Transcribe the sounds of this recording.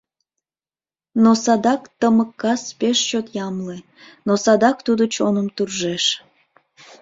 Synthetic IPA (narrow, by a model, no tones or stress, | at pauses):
nosɑd̪ɑkt̪əməkːɑspeʃt͡ɕot̪jɑmle | nosɑd̪ɑkt̪ud̪ot͡ɕonəmt̪urʒeʃ